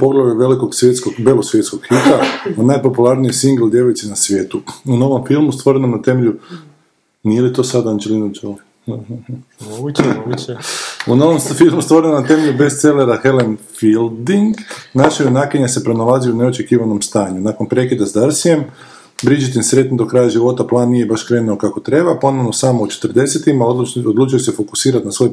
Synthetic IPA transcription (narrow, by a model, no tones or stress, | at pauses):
po̞ɡlˠaʋiʋe̞liko̞ɡsʋjet̪skoɡbe̞losʋje̞t̪skoɡxit̪aonajpo̞pulˠaɾnijesiŋɡl̩ˠd̪jeʋojt͡ʃ̪inasʋʲjeːt̪uuno̞ʋo̞mfilˠmust̪ʋo̞ɾe̞nomnat̪e̞me̞ʎu | nielit̪o̞sad̪aand͡ʒelinud͡ʒo | unoʋomfilˠmust̪ʋo̞ɾenonat̪e̞me̞ʎʲube̞st̪se̞leɾaxe̞lenfild̪iŋɡnaʃajonaːkeɲase̞pɾo̞nalˠazioune̞ot͡ʃe̞kiːʋano̞mst̪aːɲunakonpɾe̞kid̪azd̪aɾsije̞m | bɾid͡ʒit̪insɾe̞t̪nid̪o̞kɾajaʒiʋo̞t̪aplˠaːnːije̞baʃkɾeːnuo̞kako̞t̪ɾe̞bapo̞noʋno̞samout͡ʃet̪ərd̪e̞set̪imaood̪lˠuːt͡ʃujese̞fo̞ku̥siːɾat̪nasʋo̞j